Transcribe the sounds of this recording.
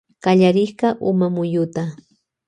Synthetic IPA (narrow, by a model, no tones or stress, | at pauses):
kaʎaɾɪhkɑʔʊmamʊjʊt̪a